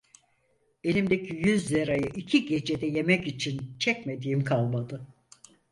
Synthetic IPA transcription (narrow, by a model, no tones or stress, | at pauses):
e̞lʲimd̪ecʰijyzːeɾajɯʔicʰiɟe̞d͡ʒe̞d̪ɛje̞mɛcit͡ʃʰint͡ʃʰɛcme̞d̪iːimkʰalˠmad̪ɯ